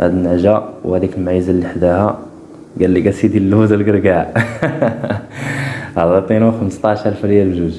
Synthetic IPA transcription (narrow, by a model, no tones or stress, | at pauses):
ʔæ̰d̪nəʕʒæwhæd̪ikəlmʕajəzalːiħd̪æhæ | ɡælːiɡæsid̪ilːuzəlɡəɾɡaʕ | hælɑt̪ˤenwxəməst̪ˤɑʕʃælfɾjælbʒuz